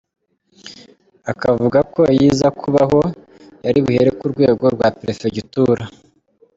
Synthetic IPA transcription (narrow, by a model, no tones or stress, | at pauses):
akavuɡako̞jiːzakʰuβaɦo̞ | jaɾiβuheɾekuɾɡwe̞ːɡo̞ɾɡwapɾefeɟituɾa